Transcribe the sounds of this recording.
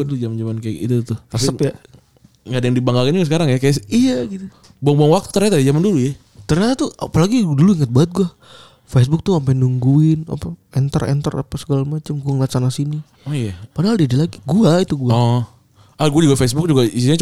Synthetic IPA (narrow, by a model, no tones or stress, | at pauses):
at̪ʊd͡ʒamand͡ʒamankajakḭt̪ut̪ut̪asiəpja | ŋadajaŋdibaŋɡalkanuɡasəkaɾaŋjakajaijaɡit̪u | boɔŋboɔŋwak̚t̪u̥t̪ərɲat̪ajd͡ʒamanduluja | t̪ərɲat̪at̪ua̰palaɡiduluiŋət̪̚baət̪̚ɡua | fes̬bʊk̚t̪uampajnuŋɡuɪna̰paɛnt̪ərɛ̰nt̪əra̰pasə̥kalamat͡ʃamɡuaŋlasanasini | ojapadaɦaldidilaɡiɡuait̪uɡuaɔ | ʔaɡuad͡ʒuɡafesbʊk̚d͡ʒuɡaisiɲat͡ʃ